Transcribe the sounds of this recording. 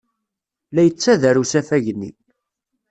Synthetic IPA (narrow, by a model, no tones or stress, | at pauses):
læjət͡sːæðæɾusæfæʝnːḭ